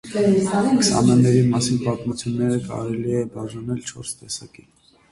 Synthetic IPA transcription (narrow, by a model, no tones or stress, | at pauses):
ŋksɑ̰mɑnːɛɾimɑsinpɑt̪mut͡sʰjunːɛɾəkɑ̰ɾɛliɛbɑʒɑnɛlt͡ʃʰɔɾst̪ɛsɑki